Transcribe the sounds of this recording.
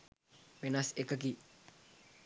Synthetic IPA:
pinasekək̬i

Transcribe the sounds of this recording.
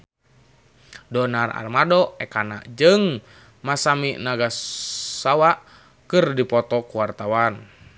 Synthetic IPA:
dɔnara̰rmadɔɛkana̰ʔd͡ʒɨŋ | masamiʔnaɡassawaʔ | kɨrdipɔt̪ɔkuwart̪awan

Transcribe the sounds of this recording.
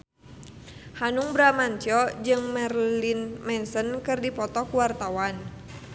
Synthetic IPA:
hanuŋbɾamaɲt͡ʃɔd͡ʒɨŋmɛrlinmɛnsənkɨrdipɔt̪ɔkuwart̪awan

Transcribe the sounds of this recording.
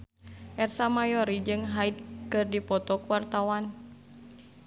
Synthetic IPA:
ʔɛrsamajɔɾid͡ʒɨŋɦaid̪̚kɨrdipɔt̪ɔkuwart̪awan

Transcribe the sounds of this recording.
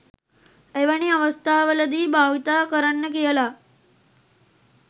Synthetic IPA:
eʋaɳ̃iəʋəst̪ʰaɦʋələd̪iːbʱaʋit̪akəɾənːəkijəla

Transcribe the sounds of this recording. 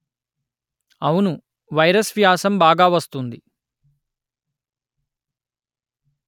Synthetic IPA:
ɐwunu | ʋɐjɾɐsʋijaːsɐmbaːɡaːʋɐst̪und̪i

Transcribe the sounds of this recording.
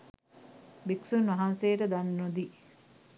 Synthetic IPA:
biksunʋɐɦansejəʈəd̪anːod̪i

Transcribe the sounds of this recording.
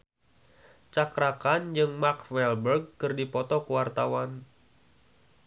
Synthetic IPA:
t͡ʃakɾakand͡ʒɨŋmakfɛlbərɡ̚ːɨrdipɔt̪ɔkəwart̪awan

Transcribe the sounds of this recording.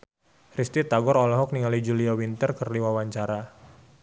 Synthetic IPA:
rist̪it̪aɡɔɾɔlɔɦɔk̚niŋalid͡ʒuliawint̪ərkərliwawaɲt͡ʃaɾa

